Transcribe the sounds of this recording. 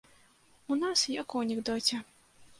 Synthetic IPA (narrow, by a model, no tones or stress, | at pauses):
unasjakɔwnʲɛɡd̪ɔt͡sʲɛ